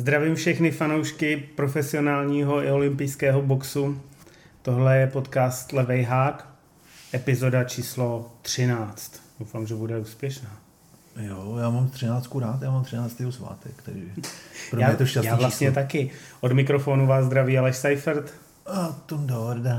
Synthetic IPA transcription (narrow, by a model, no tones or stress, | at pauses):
zd̪ɾavimfʃɛxnɪfano̞wʃkɪpɾo̞fɛsɪo̞naːlɲiːɦo̞ɪo̞lɪmpɪjskɛːɦo̞bo̞ksu | t̪o̞ɦlɛjɛpo̞t̪kaːst̪lɛvɛjɦaːk | ʔɛpɪzo̞dat͡ʃiːslo̞t̪r̝̥ɪnaːt͡st̪d̥owfaːmʒɛbudɛuːspjɛʃnaː | jojaːmamt̪r̥ɪnaːt͡st̪kuɾaːt̪jaːmamt̪rɪnaːt͡st̪jɛɦosva̰ːt̪ɛkt̪ɛɾḭːɛpɾojaːɛt̪oʃasjaːvlast̪ɲɛt̪akɪʔo̞dmɪkɾo̞fo̞ːnuvaːzzd̪ɾaviːalɛʃsajfɾt̪ | at̪omdobɾda